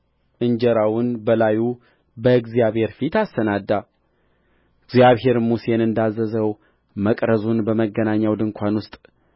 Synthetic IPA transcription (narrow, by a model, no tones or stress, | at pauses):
ʔɨɲd͡ʒəɾawʊnbəlaju | bəɨɡzijaβhe̞ɾfit̪ast̪ənad̪ːa | ɨɡzjaβɦe̞ɾmusenɨnd̪azːəzəw | məkʼɾəzunbəməɡːənaɲːawd̪ɨŋkʷʰanwʊst̪ʼ